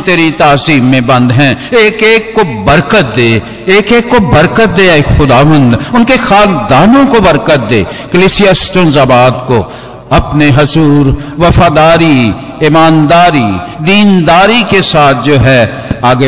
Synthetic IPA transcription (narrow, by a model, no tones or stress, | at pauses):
t̪eːɾit̪aːsiːmːẽbɐ̃nd̪ɦɛ̃ːeːkeːkːobəɾkət̪̚d̪eː | eːkeːkːobəɾkət̪̚d̪eːeːkxʊd̪aːʋə̃nd̪ʊnkexaːld̪aːnõkobɐɾkət̪̚d̪eː | kəliːsijasʈõzabaːd̪ko | ɐpneɦɐzuːɾʋɐfaːd̪aːɾi | ɪmaːnd̪aːɾid̪iːnd̪aːɾikesaːt̪̚ʰd͡ʒoːɦɛ | aːɡ